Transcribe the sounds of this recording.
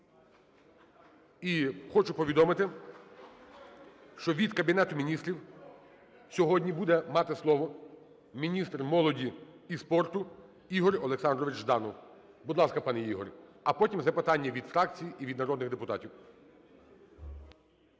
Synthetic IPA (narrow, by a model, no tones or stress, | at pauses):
ixɔt͡ʃʊpɔʋʲid̪ɔmɪt̪ɪ | ʃt͡ʃɔʋʲid̪kɐbʲinɛt̪ʊmʲinʲist̪ʲɾʲiw | sʲɔɦɔdʲnʲibud̪ɛmɑt̪ɪslˠɔʋɔ | mʲinʲist̪rmɔlˠɔdʲiispɔrt̪ʊ | iɦɔɾʲɔlˠeksɑnd̪ɾɔʋɪt͡ʃʒd̪ɑnɔ | bʊd̪lˠɑskɐpɑnɛiɦɔ̰ɾʲ | ɐpɔtʲimzɐpɪt̪ɑnʲːɐʋʲid̪fɾɑk̚t͡sʲijiʔiʋʲid̪nɐɾɔd̪nɪɣd̪epʊt̪ɑ̰tʲiw